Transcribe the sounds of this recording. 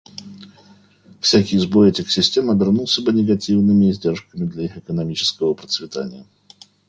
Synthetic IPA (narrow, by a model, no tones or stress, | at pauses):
fsʲækʲɪjzbojɪtʲɪksʲɪsʲtʲe̞məbʲɪrnulˠsʲəbɨnʲɪɡɐtʲivnɨmʲɪzʲdʲe̞rʂkəmʲɪd̪lʲɐixɨkənɐmʲit͡ɕɪ̥skəvəpɾət̪svʲɪt̪a̰nʲɪ̰jə